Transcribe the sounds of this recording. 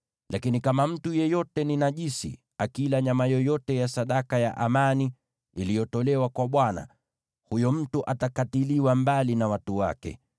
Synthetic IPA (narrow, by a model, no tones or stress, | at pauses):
lʔakinikamam̩tujɛjɔtɛninaʄisḭ | akilaɲamajɔjɔtɛjasaɗakaja̰ʔamani | ilijɔtɔlɛwakwaɓwana̰ | hujɔm̩tuʔatakatiliwambalinawatuwa̰kɛ̰